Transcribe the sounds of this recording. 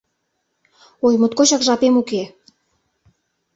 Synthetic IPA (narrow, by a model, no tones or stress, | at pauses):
ojmut̪̚kot͡ɕɑkʒɑpemuke